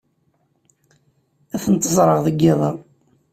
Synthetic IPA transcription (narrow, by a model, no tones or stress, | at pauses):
æθənt̪ːəzˤɾˤəʁðəɡːɪðˤɑ